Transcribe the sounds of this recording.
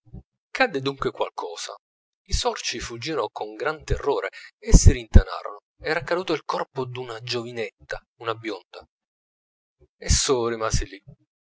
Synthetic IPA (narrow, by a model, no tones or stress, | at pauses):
kad̪ːed̪uŋkwekwa̰lkʰɔːsa̰ | isɔrt͡ʃifud͡ʒːiːnokʰoŋɡɾant̪erːoːɾeesːiɾint̪ana̰ːɾo̰no | ɛːɾakad̪uːt̪oilkɔrpod̪unad͡ʒovinɛt̪ːa | unabjond̪a | ɛsːorimaːsili